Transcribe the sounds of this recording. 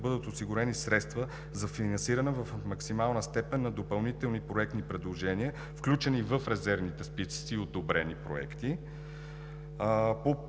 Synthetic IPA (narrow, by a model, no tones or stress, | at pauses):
bɤd̪ət̪osiɡʊɾɛnisɾɛt̪st̪və | zɐfinɐnsiɾənɛvəfmɐksimalˠnəst̪ɛpɛnːɐd̪opɐlˠnit̪ɛlˠnipɾoɛk̚t̪nipɾɛd̪lˠoʒɛniə | fklʲut͡ʃɛnivəfɾɛzɛɾvnit̪ɛspisi̥siːod̪obɾɛnipɾo̰ɛ̰kt̪i | po